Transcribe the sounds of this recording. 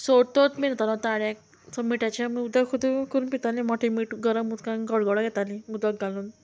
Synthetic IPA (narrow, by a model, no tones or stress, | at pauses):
soɽt̪ot̪minat̪alɔt̪aɽak̚ | t͡səmiʈat͡ɕamiud̪əkkʰud̪ukuɾunpit̪alĩmɔʈʰimiʈɡəɾəmut̪kãnɡəɽɡɔɽaɡɛt̪alĩud̪əɡ̚ɡaluːn